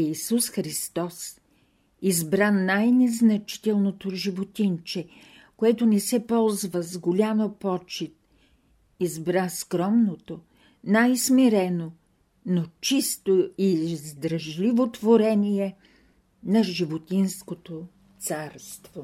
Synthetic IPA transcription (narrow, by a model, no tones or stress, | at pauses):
isusxɾist̪ɔs | izbɾannːajnɛznɐt͡ʃi̥t̪ɛlˠnot̪oʒivot̪ʲint͡ʃɛ | koɛt̪onɛsɛpɔlˠzvəzɡolʲaməpɔt͡ʃit̪̚ | izbɾaskɾɔmnot̪o | najsmiɾɛno | not͡ʃist̪oizd̪ɾɐʒlʲivot̪voɾɛniɛ | nɐʒivot̪inskot̪o | t̪saɾst̪vo